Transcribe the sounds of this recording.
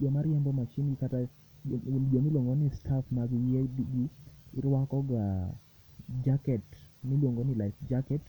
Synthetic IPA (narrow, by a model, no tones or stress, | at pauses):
d͡ʒɔmaɾjɛmbɔmat͡ʃinɡikata | d͡ʒɔmilwoŋɡonistʰafmaɡijɛdiɡiɪɾwakɔɡa | d͡ʒakɛtmilwoŋɡonilaɪfd͡ʒakɛt